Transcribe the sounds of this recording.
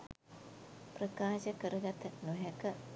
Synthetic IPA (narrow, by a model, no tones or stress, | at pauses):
prəkaːʃəkəɾəɡat̪ɐnuɦɛkə